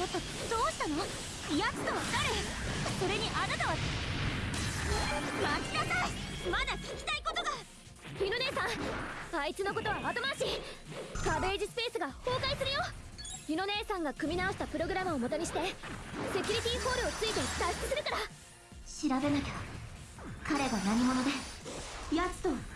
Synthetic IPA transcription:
jat̪ːa | d̪o̞ːɕi̥t̪ano̞ | jat͡sɨ̥t̪oβakaɾe | so̞ɾe̞ɲ̟iʔanat̪aβa | mat͡ɕinasamad̪akʲi̥kʲi̥t̪aiko̞t̪o̞ɡa | jʲɯno̞ne̞ːsãɰ̃ait͡sɨno̞ko̞t̪o̞βamat̪o̞maɕi | kabe̞ːʑisɨ̥pe̞ːsɨɡaho̞ːkaisɨɾɯjo̞ | jɯno̞ne̞ːsãŋɡakɯ̟mʲinao̞ɕi̥t̪apɯ̟ɾo̞ɡɯɾamɯomo̞t̪o̞ɲ̟iɕ̬i̥t̪e̞se̞kʲɯɾʲit̪ʲiːho̞ːɾɯ̟ot͡sɨit̪e̞t̪aɕi̥sɨ̥sɨɾɯ̟kaɾa | ɕiɾabe̞naked̪o | kaɾe̞ɡanaɲ̟imo̞no̞d̪e̞ | jat͡sɨ̥t̪o

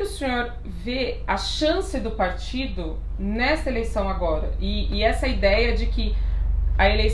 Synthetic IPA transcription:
ɪʊsẽɲoɾ | veɐʃɐ̃sɪd̪ʊpaɾt͡ʃid̪ʊ | nɛsɐelejsɐ̃w̃aɡɔɾɐ̰ɪːɛsɐid̪ɛjɐd͡ʒɪkɪ | ɐelej

